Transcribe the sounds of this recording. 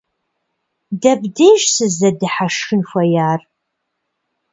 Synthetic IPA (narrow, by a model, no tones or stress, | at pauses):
dɐbdeːʒsɨzɐdɨħaʂxɨnxʷɐjaːr